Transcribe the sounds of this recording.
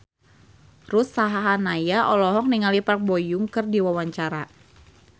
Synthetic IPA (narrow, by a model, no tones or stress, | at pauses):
rusaɦaɦanajaʔɔlɔɦɔk̚niŋalipark̚bɔjuŋkɨrdiwawaɲt͡ʃaɾa